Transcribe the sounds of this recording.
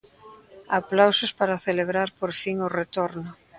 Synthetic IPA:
aplawsospaɾaθeleβ̞ɾaɾpoɾfiŋoret̪oɾnʊ

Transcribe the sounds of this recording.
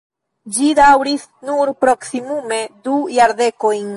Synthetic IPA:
d͡ʒidawɾis | nuɾpɾo̞ksimume̞dujaɾde̞ko̞jn

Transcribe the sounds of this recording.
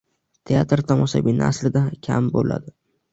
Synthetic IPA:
t̪ʰejat̪ɾt̪ʰɒmɒʃa̰binɪaslɪd̪akʲʰa̰mbo̰la̰d̪ɪ

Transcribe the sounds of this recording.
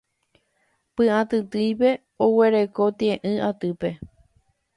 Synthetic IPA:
pɨ̃ãt̪ɨt̪ɨjpe̞ | owe̞ɾe̞ko̞t̪iẽʔɨ̃ʔat̪ɨpe̞

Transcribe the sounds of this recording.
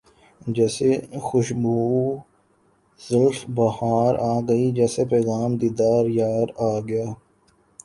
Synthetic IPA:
d͡ʒɛːsexʊʃbuː | zəlfbɐhaːɾaːɡəid͡ʒɛːsepɛːɣaːmd̪iːd̪aːɾjaːɾaːɡɪjaː

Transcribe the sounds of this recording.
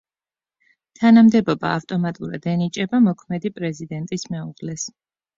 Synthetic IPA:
t̪ʰanamd̪ɛbɔba̰ːft̪ʼɔmat̪ʼuɾa̰d̪ɛnit͡ʃʼɛbamɔkʰmɛd̪ipʼɾɛzid̪ɛnt̪ʼismɛuʁlɛs

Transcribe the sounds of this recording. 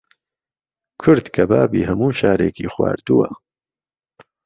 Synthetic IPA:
kʰʊɾd̪kʰɐbaːbiːɦɐmuːʃaːɾeːkiːxwa̰ːɾd̪uwɐ̰

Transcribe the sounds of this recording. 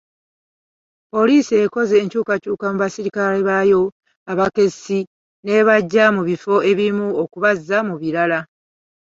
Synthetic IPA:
po̞liːsieko̞ze̞ːɲcuːkacuːkamuβasiɾikaleβajo̞ | aβake̞si | ne̞βaɟːamuβifo̞e̞βiimuokuβazːamuβiɾala

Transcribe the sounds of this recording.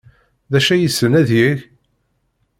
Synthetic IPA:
ðæʃæjəsːənæðjəʝ

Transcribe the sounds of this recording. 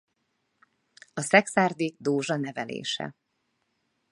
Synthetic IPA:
ɒsɛksaːrd̪id̪oːʒɒnɛvɛlḛːʃɛ̰

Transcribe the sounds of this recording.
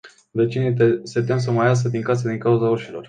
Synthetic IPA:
vet͡ʃinit̪set̪̬ems̬əmajas̬əd̪iŋkas̬əd̪iŋkauzaoʃilo̞̰r

